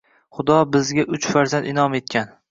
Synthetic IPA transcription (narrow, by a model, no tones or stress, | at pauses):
χʊd̪ɒbɪzɡʲaʔʊt͡ʃfaɾzand̪ɪnɒme̞t̪̚kʲan